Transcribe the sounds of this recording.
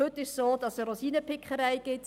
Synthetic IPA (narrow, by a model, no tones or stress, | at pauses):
hʏtːɪʃsoːd̥ɑsəɾosiːnəpɪkʰχəɾaɪɡ̥ɪt